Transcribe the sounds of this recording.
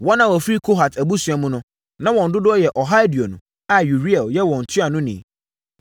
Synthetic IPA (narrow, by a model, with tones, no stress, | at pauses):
wɔ˦nã˨wɔ˨fi˦kʰo˦ɦa˨tʰæ˨bu˦su˨a˨mũ˦nʊ̃˦ | nã˦wɔ̃˨n̩˨dʊ˦dʊ˦ɔ˦jɛ˨ʔɔ˨ɦa˦di˨o˨nʊ̰̃˨ | a˨ju˨ɾi˦ɛ˨ljɛ˦wɔ̃˨n̩˨tʰʊ˦a˨nʊ̃˦nḭ̃˨